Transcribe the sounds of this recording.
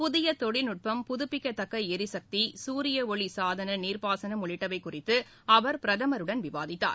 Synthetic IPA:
pʊðɪjɐt̪ɔɽɪnʊʈ̚pɐmpʊðʊpːɪkːɐt̪ːɐkːɐɛɾɪsɐk̚t̪isuːɾɪjɐɔɭisaːðɐnɐniːɾpaːsɐnɐmɔɭɪʈːɐʋɐɪkːʊrɪt̪ːɯ | ɐʋɐɾpɪɾɐðɐmɐɾɯɽɐnʋɪʋa̰ːðɪt̪ːa̰ːɾ

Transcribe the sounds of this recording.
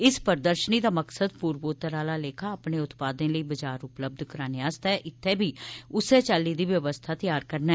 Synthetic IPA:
ɪspəɾd̪əɾʃəniːd̪aːməksəd̪puːɾboːt̪əɾaːlaːleːkʰaːəpneːʊt̪paːd̪ẽːləiːbəd͡ʒaːɾʊpləb̚d̪ʱkəɾaːnjaːst̪ɛːʔɪt̪ʰːeːbʱiːʊseːt͡ʃaːlːiːd̪iːʋjəʋəst̪ʰaːt̪ɪjaːɾkəɾnaː

